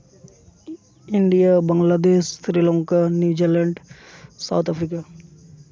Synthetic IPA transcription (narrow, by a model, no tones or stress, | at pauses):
ɪɳɖijabəŋɡlad̪eːʃsɾilõŋkanjuːd͡ʒiɾləɳɖsa̰wt̪ʰafʰɾika